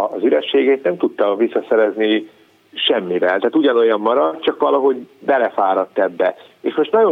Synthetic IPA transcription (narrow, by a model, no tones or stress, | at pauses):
zyɾɛʃːeːɡɛːt̪nɛmt̪ut̪ːɒvisːɒsɛɾɛzni | ʃɛmːivɛlt̪ɛɦaːt̪uɟɒno̞jɒmːɒɾɒt̪t͡ʃɒkʋɒlɒɦo̞ɟbɛlɛfaːɾɒt̪ːɛbːɛ | eːʃmo̞ʃt̪nɒɟo